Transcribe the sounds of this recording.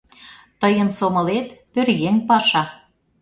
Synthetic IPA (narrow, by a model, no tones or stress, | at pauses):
t̪əjənsomɤ̆let̪pørɣeŋpɑʃɑ